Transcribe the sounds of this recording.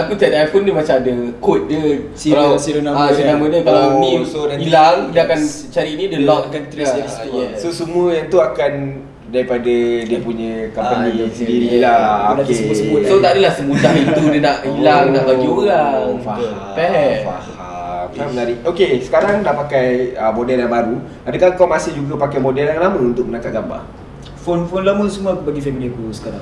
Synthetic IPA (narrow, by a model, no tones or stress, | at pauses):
akut̪adajfondəmat͡ʃamadəkot̪̚də | alaionasonãmədəkalamĩodailaŋdakansət͡ʃaɾiːnĩdəlɔt̪̚kant̪ɾiɛsosəmuəjaŋt̪uakan | daɾipadadiəpuɲə̃kampənisəədiɾilaokesmsəusot̪adilahsəmudait̪udənaʔilanabaɡioɾafahaɛfa̰ha | mnamənaɾiokesə̥kaɾaŋnaʔpakajəmodɛlaŋbaɾu | apikaŋkawmasɪhd͡ʒuɡapakajmodɛlaŋlaməunt̪ʊʔ̚mənakat̪̚ɡamba̰ | fonfonlaməsəmuəbaɡifɛminikusə̥kaɾaŋ